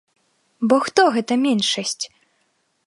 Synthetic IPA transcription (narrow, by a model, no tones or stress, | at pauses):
bɔxt̪ɔɣɛt̪ɐmʲɛnʂɐsʲt͡sʲ